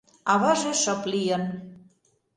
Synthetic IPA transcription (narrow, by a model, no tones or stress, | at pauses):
ɑβɑʒeʃə̆plijən